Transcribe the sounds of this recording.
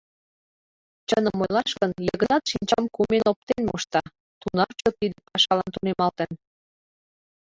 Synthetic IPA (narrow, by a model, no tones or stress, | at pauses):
t͡ɕənəmojlɑʃkənjəɣə̆nɑt̪ʃinʲt͡ɕɑmkumenop̚t̪enmoʃt̪ɑ | t̪unɑrt͡ɕot̪id̪əpɑʃɑlɑ̰nt̪unemɑlt̪ən